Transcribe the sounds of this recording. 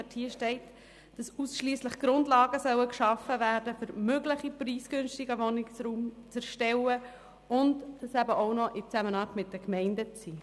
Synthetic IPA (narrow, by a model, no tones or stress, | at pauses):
ɛthiːəʃtɛɪt | d̥ɑsusʃliːsləχɡ̥ɾʊndlɑːɡəsœwəkʃɑfːəvæːɾdəfʏɾmøɡlɪχipriːsɡ̥ʏnʃtɪɡəʋɔnɪksɾuːmt͡sɛɾʃtɛwə | ʔʊntd̥ɑsæbəʔoʊnɔʔɪt͡sæmənɑːɾtmɪt̚d̥əkmɛɪndət͡siː